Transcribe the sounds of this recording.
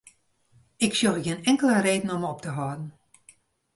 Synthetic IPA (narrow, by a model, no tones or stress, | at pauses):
ɪksjoɣɪənɛŋkəlˠəɾeːdən̩ɔmɔptəɦɔːdn̩